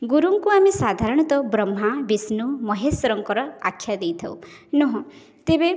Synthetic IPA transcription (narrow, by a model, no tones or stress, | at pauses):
ɡuɾuŋkuamesad̪ʱaɾɔɽ̃ɔt̪ɔbɾɔm̤ːabisnumɔɦesɔɾɔŋkɔɾɔa̰kʰjad̪ejt̪ʰɔwnɔɦɔ̃ | t̪ebe